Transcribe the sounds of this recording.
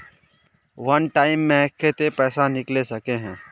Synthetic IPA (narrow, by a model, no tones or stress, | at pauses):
ʋɐnʈaːɪmːẽkʰːet̪epɛːsanɪklesɐkeɦɛ̃ː